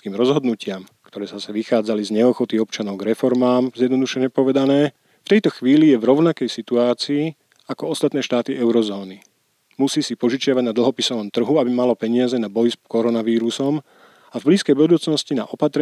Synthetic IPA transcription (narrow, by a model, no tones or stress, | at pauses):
kiːmɾɔzɦɔd̪nucɪamkt̪ɔɾɛːzasɛʋixaːd͡zalizɲɛɔxɔt̪iɔpt͡ʃanɔʊɡɾɛfɔɾmaːmzjɛd̪nɔd̪uʃɛɲɛpɔʋɛd̪anɛː | ft̪ɛjt̪ɔxʋiːlijɛvɾɔʊnakɛjsit̪uaːt͡siː | akɔɔst̪at̪nɛːʃt̪aːt̪iʔɛʊɾɔzɔːni | musiːsipɔʒut͡ʃɪaʋaɟnad̪l̩ɦɔpisɔʋɔmt̪r̩ɦuabimalɔpɛɲɪazɛnabɔjskɔɾɔnaʋiːɾusɔm | avbliːskɛjbud̪uːt͡snɔscina̰ʔɔpat̪ɾɛ